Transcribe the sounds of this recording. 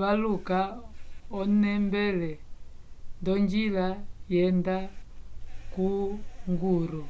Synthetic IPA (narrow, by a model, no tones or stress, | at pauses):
βaluka | ɔnɛmbɛlɛ | ndɔɲd͡ʒilajɛnda | kuŋɡuɾɔ